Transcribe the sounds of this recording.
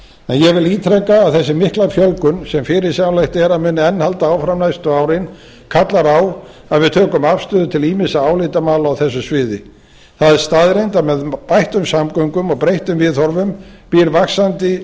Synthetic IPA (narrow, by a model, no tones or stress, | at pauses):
ɛnjɛɣvɪliːt̪ʰɾɛkːaːðθɛs̬ːɪmɪhklafjœlkʏnsɛmfɪɾɪɾ̥sjawlajht̪ɛɾaðmʏːnɪɛnːhalt̪aaːwfɾamnajst̪ʏaːwɾɪn | kʰat̪laɾaːw | aðvɪðt̪ʰœːkʏmafst̪ʏːðʏt̪ʰɪliːmɪsaaːwlɪt̪amaːlaawθɛsːʏsvɪːðɪ | θaðɛɾ̥st̪aːðɾejnt̪amɛðpajht̪ʏmsamkœŋkʏmɔɣpɾejht̪ʏmvɪðɔɾvʏmpiɾvaksant̪ɪ